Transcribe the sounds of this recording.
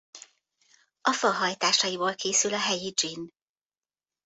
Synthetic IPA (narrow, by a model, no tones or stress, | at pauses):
ɒfɒɦɒjt̪aːʃɒjiboːlkʰeːsylɒɦɛjid͡ʒin